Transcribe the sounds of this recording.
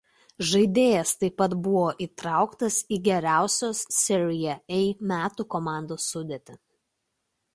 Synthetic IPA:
ʒɐɪd̪ʲeːjɛst̪ɐɪpːɐt̪bʊʋoːʔiːˑt̪ɾɑˑʊkt̪ɐsiːɡʲɛɾʲæˑʊsʲoːssʲɪɾʲɪjɛɛɪmʲæːt̪uːkomɑˑnd̪oːsːʊd̪ʲet̪ʲɪ

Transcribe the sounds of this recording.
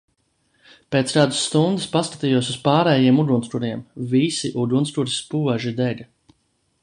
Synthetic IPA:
pet̪sɾaːd̪usːt̪und̪ɨspaskḁt̪iːjuɔsuspaːɾɛːjiɛmud̪unskuɾiɛmvisiʔud̪unskuɾispuɔʒid̪eʎʲ

